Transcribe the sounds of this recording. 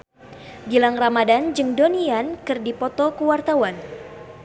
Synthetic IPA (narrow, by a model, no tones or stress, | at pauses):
ɡilaŋramadand͡ʒɨŋdoniankɨrdipɔt̪ɔkuwart̪awan